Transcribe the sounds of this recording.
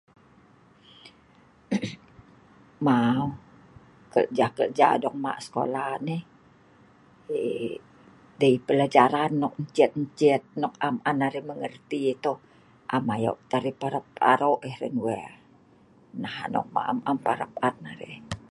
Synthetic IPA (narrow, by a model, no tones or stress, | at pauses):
mau | kə̰ʔd͡ʒakə̰ʔd͡ʒa̰dɔŋma̰ʔsə̥ko̰laneh | e | dəipəlad͡ʒaɾanːɔk̚ɲt͡ʃɛt̪̚ɲt͡ʃɛt̪̚nɔk̚amanaɾehməŋərt̪it̪o | ʔamajo̰ʔt̪aɾipaɾəp̚a̰ɾoʔehrɛnwɛr | nahanɔ̰k̚ma̰ʔamampaɾəpannaɾḛʔ